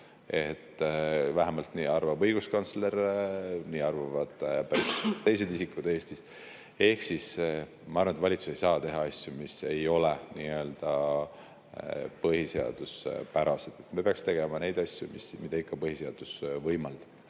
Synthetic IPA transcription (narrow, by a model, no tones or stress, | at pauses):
e̞t̪ːˑvæɦemɑlt̪niːɑrvɑbɤjɡ̥uskɑnt̪slerniːɑrvɑvɑd̪̥pæɾist̪e̞jse̞d̪isikːˑud̪e̞ːst̪is | e̞hksis | mɑɑrvɑnet̪vɑlʲit̪su̥se̞jsɑːt̪e̞ɦɑɑsʲjumise̞jo̞leniːø̞ld̪̥ɑ | pɤɦise̞ɑ̰d̪̥uspæɾɑsed̪̥et̪mepeɑkst̪e̞ɡe̞mɑne̞jd̪̥ɑsʲjumismid̪ɑikːɑpɤɦiseɑd̪̥usvɤjmɑld̪̥ɑb̥